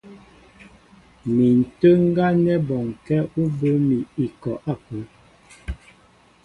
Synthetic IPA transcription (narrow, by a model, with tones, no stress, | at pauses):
mi˨n̩˨tə˦ŋ̩˦ɡa˦nɛ˦bɔ˨ŋ˨kɛ˦u˦bə˦mi˨i˨kɔ˨ʔa˦˨kə˨˦